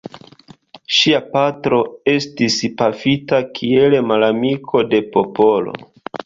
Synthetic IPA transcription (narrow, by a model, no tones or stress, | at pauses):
ʃiapatɾo̞e̞stispafitakʰie̞lemalamikʰo̞de̞po̞po̞lo̞̰